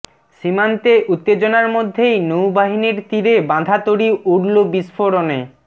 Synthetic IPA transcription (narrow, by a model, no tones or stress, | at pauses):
ʃimant̪eʔut̪ːed͡ʑonaɾmod̪ʱːejnowbaɦiniɾt̪iɾebãd̪ʱat̪oɽiʔuɽlobisfoɾone